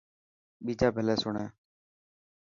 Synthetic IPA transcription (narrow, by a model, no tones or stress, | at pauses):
ɓiːd͡ʒaːbʱəlɛːsʊɳaː